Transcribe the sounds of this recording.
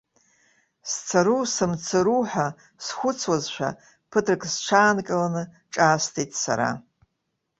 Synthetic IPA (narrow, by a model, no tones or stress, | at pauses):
st͡sʰaɾusɨmt͡sʰɨɾuħʷa | sxʷʊt͡sʰwazʃʷᶣa̰ | pʰɨtʰrɨkʰʼzt͡ʃʷʰaːnkʼɨlanɨ | ʈ͡ʂʼaːstʰitʼsa̰ɾa̰